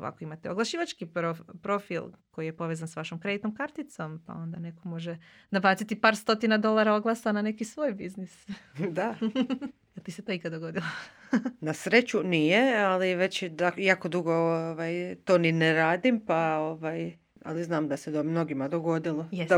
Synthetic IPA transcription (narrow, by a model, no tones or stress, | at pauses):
oʋa̰ko̞imat̪eoɡlˠaʃiːʋat͡ʃkipɾopɾo̞filˠko̞jijepo̞ʋezansʋaʃomkɾe̞d̪it̪no̞mkaɾt̪it̪so̞mpa̰o̞nd̪ane̞ko̞mo̞ʒe | d̪abaːt̪sit̪ipaːɾst̪o̞t̪inad̪o̞lˠaɾaoɡlˠasanane̞kisʋoːjbiznisd̪a | jelt̪iset̪oikad̪d̪oɡo̞d̪ilˠonasɾet͡ɕunijealiʋe̞t͡ɕd̪ajaːkod̪uɡooʋajt̪oːnineɾaːd̪impaoʋaːj | a̰liznaːmd̪ased̪omno̞ɡimad̪oɡo̞d̪ilˠojed̪a